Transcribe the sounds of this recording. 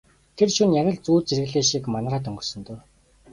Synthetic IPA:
t̪ʰerʃunjæɾʲə̆ɮt͡suːt͡serɣɘ̆ɮeːʃikmanraːt̪̬ɵŋɡɵ̆rsɞ̆nt̪oː

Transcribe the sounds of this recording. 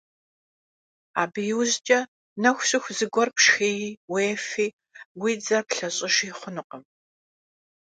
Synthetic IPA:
aːbjɪwzt͡ʃʼɐ | nɐxʷɕʼɪxʷzɨɡʷɔrpʂxeːjweːfiː | wiːd͡zɐpɬɐɕʼɪʂiːχʷʊnɨqəm

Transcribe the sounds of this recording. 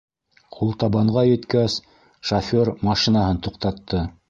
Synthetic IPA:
qʰulˠt̪ɑβɑɴʁɑjɘ̆t̪kæs | ʃɐfʲoɾmɑʃinɑɦɤnt̪uqt̪ɑt̪ːɤ

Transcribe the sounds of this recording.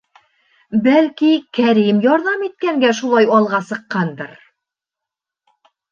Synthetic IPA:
bælkikæɾimjɒɾðɑmit̪̚kæŋɡæʃulˠɑjɑlˠʁɑsɤ̆qːɑnd̪ɤɾ

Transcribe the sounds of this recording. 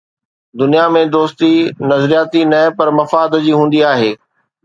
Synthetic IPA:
d̪ʊnijamẽd̪oːst̪inɐzɾijaːt̪inɐ̃pɐɾmɐfaːd̪d͡ʑiːɦũːn̆d̪iaːɦeː

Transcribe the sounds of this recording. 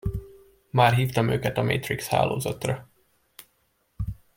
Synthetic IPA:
maːrɦiːft̪ɒmøːkɛt̪ɒmḛːt̪riksha̰ːlo̰ːzɒt̪rɒ

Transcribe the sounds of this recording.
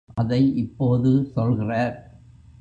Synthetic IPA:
ɐðɐɪʔɪpːoːðɯsɔlɣɪraːɾ

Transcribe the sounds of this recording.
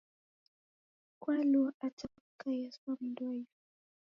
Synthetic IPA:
kwalɔat͡ʃa | kajasam̩dɔj

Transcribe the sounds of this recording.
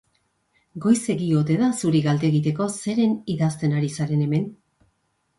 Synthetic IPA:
ɡo̞jse̞ɣio̞t̪e̞ðasuɾiɣald̪eɣit̪e̞ko̞se̞ɾe̞niðast̪e̞naɾisaɾe̞ne̞me̞n

